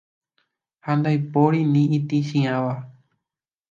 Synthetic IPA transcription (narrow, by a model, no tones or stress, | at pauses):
hand̪ajpoɾinĩʔit̪iʃĩãʋa